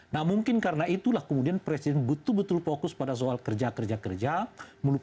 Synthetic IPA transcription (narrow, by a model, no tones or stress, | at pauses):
nahmuŋkɪnkaɾənait̪ulahkəmudianpɾɛsidɛnbət̪ʊlbət̪ʊlfokʊspadas̬oalkərd͡ʒakərd͡ʒakərd͡ʒamulu